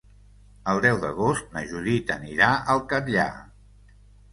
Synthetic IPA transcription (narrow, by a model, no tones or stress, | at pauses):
əlˠd̪ɛwðəɣ̞ost̪̚nəʒuðit̪əniɾaʔəlˠkəɾʎa̰